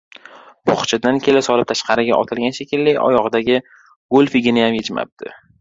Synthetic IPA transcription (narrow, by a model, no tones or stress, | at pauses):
bɒχt͡ʃʰɪd̪ankʲʰe̞lɪsɒlɪp̚t̪ʰaʃqʰɑɾɪɡʲaʔɒ̰t̪ʰɪlɡʲanʃekʲɪlːɪɒ̰jɒʁɨd̪aɡʲɪ | ɡolfɪɡʲɪnɪjamjet͡ʃma̰p̚d̪̥ɪ